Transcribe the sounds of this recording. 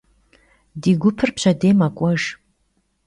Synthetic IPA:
diɡʷʊpʰɨrpɕʰɐdeːmakʷʼɐʒ

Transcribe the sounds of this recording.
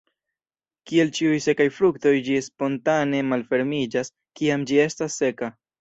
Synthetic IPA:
kie̞lt͡ʃiujse̞kajfɾukto̞jd͡ʒispo̞ntane̞malfe̞ɾmid͡ʒas | kiamd͡ʒie̞stasːe̞ka

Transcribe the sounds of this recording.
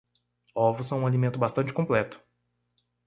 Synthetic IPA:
ɔvʊsɐ̃w̃ũalimẽnt̪ʊbast̪ɐ̃nt͡ʃɪ̥kõplɛt̪ʊ̥

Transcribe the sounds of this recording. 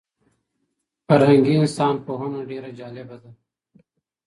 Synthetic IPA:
fɐɾɦɐŋɡiːɪnsaːnpoːɦonoɖeːɾad͡ʒaːlebɐd̪a

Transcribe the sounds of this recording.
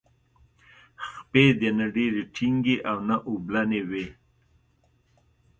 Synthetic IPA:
xped̪enaɖeɾeʈʰiŋɡeʔawnaʔublanewe

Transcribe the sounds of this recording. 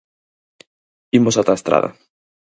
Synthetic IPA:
imosat̪aest̪ɾa̰ða̰

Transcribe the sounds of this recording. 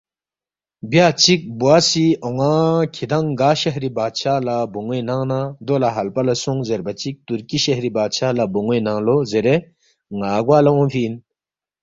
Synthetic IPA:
bjat͡ʃik̚buasiɔŋakʰid̪aŋɡaʃeɦɾibaːt͡ʃʰalabuŋenaŋnad̪olaɦɐlpalɐsuŋzeɾbat͡ʃik̚t̪uɾkiɕehɾibaːt͡ʃʰalabuŋenaŋlozeɾe | ŋaːɡwaːlaɔŋfʰin

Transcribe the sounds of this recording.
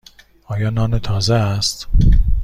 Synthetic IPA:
ɒːjɒːnɒːnet̪ʰɒːzeæst̪

